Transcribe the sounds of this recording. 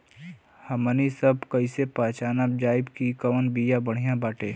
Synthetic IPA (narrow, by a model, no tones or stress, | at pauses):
hɐmənisɐbkəisepãːt͡ʃaːnab̚d͡ʒaːɪbkikəʋənbijabəɽ̤ijãbaːʈeː